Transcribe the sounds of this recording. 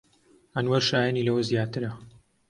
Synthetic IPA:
ɐnwɐɾʃaːjɐniːlɐwɐzjaːt̪ɨɾɐ

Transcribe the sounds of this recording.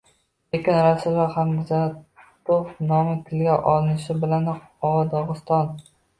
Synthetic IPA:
ekʲɪnɾasɪlɒχamd̪ɪzat̪ofnɒmɪt̪ʰɪlɡʲaʔɒlɪnɪʃɪbɪlan | ɒwɒd̪ɒʁɨst̪ɒn

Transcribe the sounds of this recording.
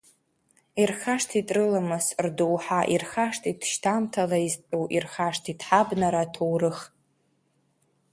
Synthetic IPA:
irχaʂtʰitʼrɨlamɨsrdowħaʔirχaʂtʰitʰʃtʰamtʰalaiztʼuʔirχaʂtʰitʰħabnaɾatʰowrɨχ

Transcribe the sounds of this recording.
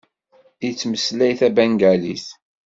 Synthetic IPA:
it͡sːməslæjθæbæŋɡæliθ

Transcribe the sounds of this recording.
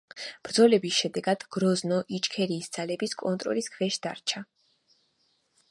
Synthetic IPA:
b̥ɾd̪zɔlɛbisʃɛd̪ɛɡad̪̥ɡ̥ɾɔznɔʔit͡ʃʼkʰɛɾiːsd̪z̥alɛbiskʼɔnt̪ʼɾɔ̰liskʰvɛʃd̪a̰ɾt͡ʃʰa

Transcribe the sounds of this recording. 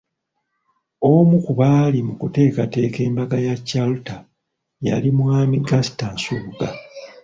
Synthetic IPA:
omukuβaːlimukute̞ːkate̞ːke̞ːmbaɡajacːaluta | ja̰limwaːmiɡastansuɡa

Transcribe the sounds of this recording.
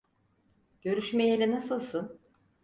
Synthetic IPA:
ɟ̥ø̞ɾyʃmejelʲɛnasɯlˠsɯn

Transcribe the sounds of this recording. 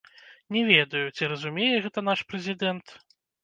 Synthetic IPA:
nʲɛvʲɛd̪ɐjut͡sʲiɾɐzumʲejɛɣɛt̪ɐnaʂpɾɛzʲid̪ɛnt̪

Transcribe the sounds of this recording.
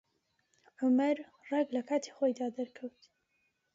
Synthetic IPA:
ʕʊmɐɾ | rɛɡlɐkʰaːt̪ʰi̥χoːjd̪aːd̪ɐɾkʰɐwt̪

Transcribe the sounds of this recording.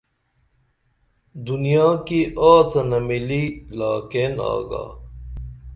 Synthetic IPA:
d̪unijãːkiʔaːsɐnɐmililaːkeːna̰ːɡa̰ː

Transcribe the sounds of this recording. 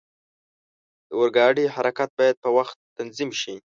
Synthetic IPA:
d̪̥əwəɾɡɑɖihaɾakat̪̚bɑjad̪̚pəwaxt̪ːanzimʃi

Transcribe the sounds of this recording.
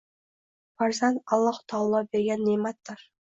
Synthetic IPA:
bɑɾzɑnɑlˠːɑqt̪ʰɑwlˠːɑbeɾɡʲenːejmɑt̪ːɑɾ

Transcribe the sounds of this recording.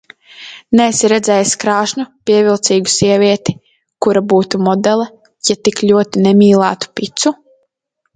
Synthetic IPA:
nɛːsiɾɛd̪zɛjaskɾaːʃnupiɛvʲilˠt̪siːɡu̥siɛvʲiɛt̪i̥ | kuɾabuːt̪umɔd̪ɛlˠɐ | jat̪iklʲuɔt̪inɛmiːlˠaːt̪u̥pʲit̪su

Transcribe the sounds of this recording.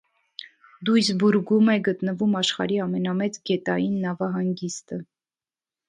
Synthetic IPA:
d̪ujsbuɾɡumɛɡət̪nəvumɑʃχɑ̰ɾiɑmɛnɑmɛt͡sɡɛt̪ɑjinːɑvɑɦɑŋɡist̪ə

